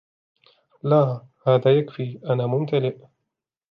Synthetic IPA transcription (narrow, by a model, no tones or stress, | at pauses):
laː | haːðaːjakfiːʔanaːmʊmt̪alɪʔ